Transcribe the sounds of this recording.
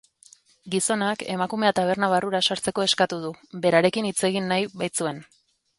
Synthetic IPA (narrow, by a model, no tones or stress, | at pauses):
ɡiso̞nake̞makume̞at̪aβ̞e̞ɾnaβ̞aruɾasaɾt͡se̞ko̞e̞skat̪uð̞ube̞ɾaɾe̞kinit͡se̞ɣinːajβajt͡sue̞n